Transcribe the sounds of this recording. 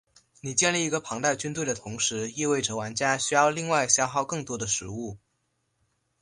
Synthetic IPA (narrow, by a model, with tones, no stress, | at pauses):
ni˨˩t͡ɕjɛ˥˧nli˥˩i˧˥ɡə˧pʰɑ˧˥ŋt̪a˥˩ɪt͡ɕy˥nt̪we˥˩ɪd̪ə˩t̪ʰʊ˧˥ŋʂɻ̩˧˥i˥˧we˥˩ɪʈ͡ʂɤ˧˩wa˧˥nt͡ɕja˥ɕy˥jɑ˥˧ʊli˥˧ŋwa˥˩ɪɕjɑ˥ʊxɑ˥˧ʊkɤ˥˩ŋt̪wɔ˥d̪ə˨˧ʂɻ̩˧˥u˥˩